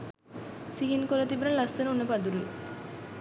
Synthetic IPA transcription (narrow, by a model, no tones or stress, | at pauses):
siɦinkolɐt̪ibɾɐnlasːenunːepad̪uɾue